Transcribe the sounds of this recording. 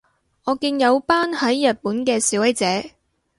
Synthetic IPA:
ŋɔː˨˧kiː˧ŋjɐ˨˧wpaː˥nhɐ˨˥jːɐ˨t̚puː˨˥nkɛː˧siː˨˥wɐ˨˧˥jt͡sɛː˨˧˥

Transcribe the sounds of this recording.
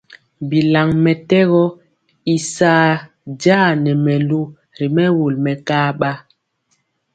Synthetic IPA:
bi˨la˨ŋmɛ˨tɛ˦ɣɔ˦ | i˨saː˦ | d͡ʒaː˦nɛ˨mɛ˨lu˦ | ɾi˨mɛ˦wo˨lmɛ˨kaː˦ɓa˦

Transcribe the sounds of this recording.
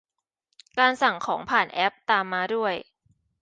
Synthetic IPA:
kaː˧nsa˨˩ŋkʰɔː˩˦ŋpʰaː˨˩nʔɛ˦˥p̚t̪aː˧mːaː˧du˥˩əj

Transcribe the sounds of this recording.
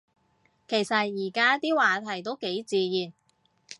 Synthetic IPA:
kʰe˨˩jsɐ˨t̚jiː˨˩kaː˥t̪iː˥waː˨t̪ʰɐ˨˩jt̪o˥wke˨˥jt͡siː˨˧jiː˨˩n

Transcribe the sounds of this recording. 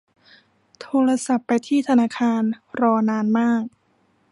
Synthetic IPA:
t̪ʰoː˧ɾa˧sa˨˩pːa˧jt̪ʰiː˥˩t̪ʰa˧naː˧˩kʰaː˧nɾɔː˧naː˧nmaː˥˩k̚

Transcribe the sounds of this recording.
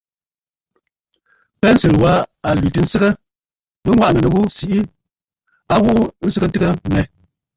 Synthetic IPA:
pɛ˦n̩˦si˨lwa˨˦a˨lɥi˨tɨ˨n̩˦sə˦ɣə˦ | bə˦ŋwa˦ʔnə˨nə˨ɣu˦si˨ʔi˦ | a˦ɣu˦ʔu˦n̩˦sɨ˦kə˦tɨ˦ɣə˦mɛ˨

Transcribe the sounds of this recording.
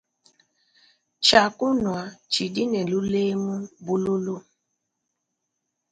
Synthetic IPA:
t͡ʃa˨kʊ˦nwa˨t͡ʃi˨di˦ne˨lu˦le˦mu˦bu˦lu˦lu˦

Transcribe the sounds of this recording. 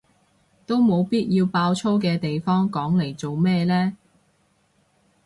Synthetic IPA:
t̪o˥wmo˨˧wpiː˥t̚jiː˧wpaː˧wt͡sʰo˥wkɛː˧t̪e˨jfɔː˥ŋkɔː˨˥ŋle˨˩jt͡so˨wmɛː˥˧lɛː˥

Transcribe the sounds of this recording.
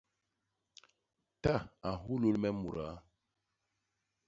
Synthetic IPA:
ta˦˨a˨ɦu˦lo˦lmɛ˦mu˨ɾa˨˦

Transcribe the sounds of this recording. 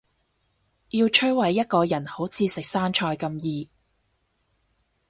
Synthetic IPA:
jiː˧wt͡ʃʰɵ˥wɐ˨˩jːɐ˥t̚kɔː˧jɐ˨˩nho˨˥wt͡sʰiː˨˧sɪ˨k̚saː˥nt͡ʃʰɔː˧jkɐ˧mjiː˨˧

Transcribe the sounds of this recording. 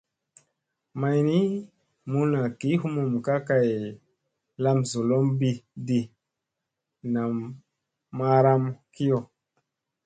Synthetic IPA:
ma˨jni˦ | mu˦na˨ki˨˦ɦu˦mu˨m˨ka˦ka˦˨j | la˦mzo˨lo˦mbi˦˨di˨ | na˨mː | a˦ɾa˦mki˦jo˨

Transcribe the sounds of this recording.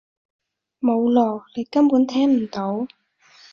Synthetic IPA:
mo˨˧wlɔː˨˩le˨˧jkɐ˥mpuː˨˥nt̪ʰɛː˥ŋm̩˨˩t̪o˨˥w

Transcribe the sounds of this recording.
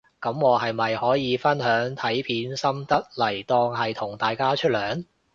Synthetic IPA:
kɐ˨˥mŋɔː˨˧ɦɐ˨jmɐ˨jhɔː˨˥jiː˨˧fɐ˥nɦœː˨˥ŋt̪ʰɐ˨˥jpʰiː˨˥nsɐ˥mt̪ɐ˥t̚lɐ˨˩jt̪ɔː˧ŋɦɐ˨jt̪ʰʊ˨˩ŋt̪aː˨jkaː˥t͡ʃʰɵ˥t̚lœː˨˥ŋ

